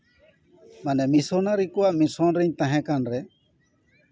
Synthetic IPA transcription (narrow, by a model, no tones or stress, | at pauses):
manɛmisɔnaɾikuwaʔmisɔnɾɛɲt̪ãɦɛ̃kanɾɛ